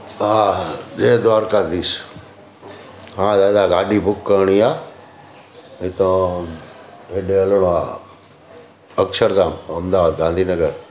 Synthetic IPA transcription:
ɦad͡ʒeːd̪waːɾkad̪iːs | ɦãd̪aːd̪aɡaːɖibʊkːəɾɳ̃iaː | ɦɪt̪õ | ɦeɗeəlɽ̃oaː | əksəɾd̪ãːɐmd̪aːʋad̪ɡãːnd̪ʱiːnəɡəɾ

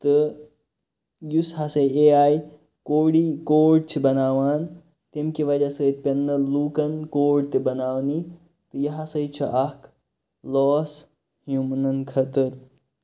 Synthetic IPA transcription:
t̪ɨ | jusɦaseeːaːi | koːɽikoːɖt͡ʃʰibɐnaːʋaːn | t̪imkiʋɐd͡ʒasəit̪̚pʲɐnːɐluːkɐnkoːɖt̪ebɐnaːʋni | t̪ɨjɐɦasɐit͡ʃʰɐʔɐkʰ | lɔːs | hjumnɐnkʰɐt̪əɾ

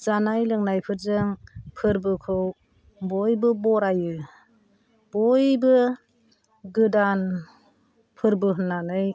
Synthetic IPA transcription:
zanajlɯŋnajpʰɯɾzɯŋpʰɯɾbɯkʰɯw | bɔjbɯbɔɾajɯ | b̥ɔjbɯ | ɡɯdan | pʰɯɾbɯɦɯnːanɯj

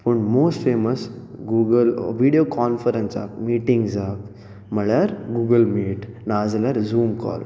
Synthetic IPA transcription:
puɳɖmoːsʈfeːmɐsɡuːɡəlʋiːɖijoːkaːnfɐɾɐnsa̰ːk̚miːʈiŋɡsaːk | mɐɭɐɾɡuːɡəlmiːʈnaːzɐlɐɾzuːmkɔ̰ːl

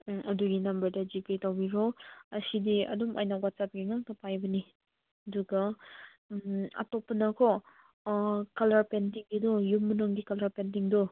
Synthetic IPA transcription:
ɐduɡinɐmbɐɾdɐd͡ʒipijtawbiɾɔɐsidiɐ̰dumʔa̰jnawat̚sap̚ɡiŋaŋ̚tapajbɐni | ɐduɡɐ | ɐ̰tɔpːɐnɐkʰɔ | kɐlɐɾpentiŋɡidɔjumːɐnuŋɡikɐlɐɾpentiŋdɔ

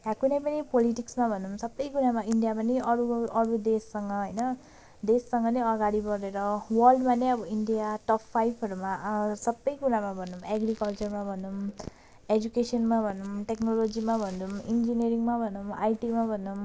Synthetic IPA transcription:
jãkunʌjpʌnipoliʈiksmabʱʌnumsʌbːʌjkuɾamaiɳɖijapʌniʌɾuʌɾud̪esːʌŋɡʌɦʌjnʌ | d̪esːʌŋɡʌnejʌɡaɽibʌɾeɾʌwʌlɖmanejʌbʌiɳɖijaʈɔpʰːajbʰʌɾumasʌbːʌjkuɽamabʱʌnumeɡɾikʌlt͡ʃʌrmabʱʌnum | ed͡ʒukesʌnmabʱʌnumʈeknolod͡ʒimabʱʌndumind͡ʒineɾiŋmabʱʌnuma̰jʈimabʱʌnum

